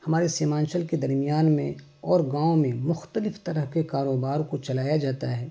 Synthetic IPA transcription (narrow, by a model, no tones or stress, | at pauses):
hɐmaːɾeseːmãːnʃəlked̪ɐɾmijaːnmẽ | ɔːɾɡãːõmẽmʊxt̪əlɪft̪ɐɾəɦkekaːɾoːbaːɾkot͡ʃɐlaːjad͡ʒaːt̪a̰ɦɛː